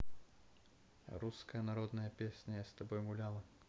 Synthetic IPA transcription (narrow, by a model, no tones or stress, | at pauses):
ɾuskɐjɐnaɾɔd̪nɐjɐpʲesʲnʲɐjast̪abɔjɣulʲalˠɐ